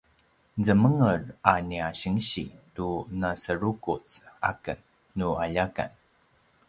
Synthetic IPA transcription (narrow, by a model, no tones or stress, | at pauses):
zəməŋəraniaɕəŋɕḭtunasəɾukut͡sa̰kənː | uaʎaka̰n